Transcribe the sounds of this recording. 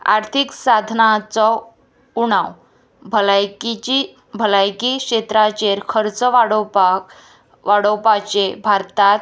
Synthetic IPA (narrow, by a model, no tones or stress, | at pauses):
a̰ɾt̪ʰiksad̪ʱnat͡sɔ | uɽ̃aw | bʱəlajkii | bʱəlajkikɕet̪ɾat͡ɕeɾkʰəɾt͡səʋaɽɔpak | ʋaɽɔwpat͡ɕebʱaɾt̪at̪